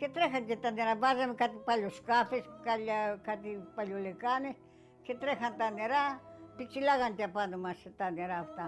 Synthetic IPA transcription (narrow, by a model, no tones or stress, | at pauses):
ket̪ɾexanket̪aneɾabazamkat̪ipalʲoskafeskalakat̪ipaljolekanes | ket̪ɾexant̪aneɾapit͡ʃilaɣant̪ʲapanomaset̪aneɾaft̪a